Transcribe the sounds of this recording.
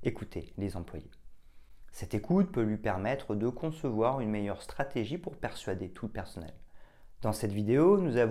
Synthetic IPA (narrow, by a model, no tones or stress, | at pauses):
ekut̪ʰelezɑ̃plwaje | sɛt̪ekʰut̪pølɥipɛʁmɛt̪χəd̪əkʰɔ̃səvwaʁynmejœʁst̪χat̪eʒipuʁpɛʁsɥad̪et̪ʰuləpɛʁsɔnɛ̰l | d̪̥ɑ̃sɛt̪vid̪eonuzav